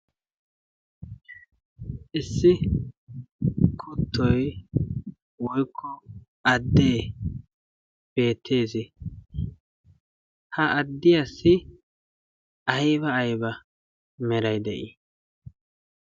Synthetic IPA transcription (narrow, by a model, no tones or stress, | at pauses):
ʔɪsːɪ | kʰʊt̪ʰːɔj | wɔjkʰːɔ | ɐd̪ːeː | b̥e̞ːt̪ʰːe̞ːsɪ | hɐʔɐd̪ːɪjɐsːɪ | ɐjbɐːjbɐ | mɛɾɐjd̪ɛ̰ʔi